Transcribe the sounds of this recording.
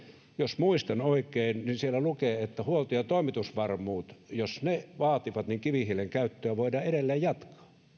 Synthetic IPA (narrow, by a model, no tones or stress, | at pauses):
josmuist̪ɑnoˑikˑeːnninsielːælukeːet̪ːæhuolt̪ojɑt̪oˑimit̪usʋɑrmuːt̪josneʋɑːt̪iʋɑt̪niŋkiʋihileŋkæyt̪ːøæʋoidɑːeɾelːeːjjɑt̪kɑ̥ː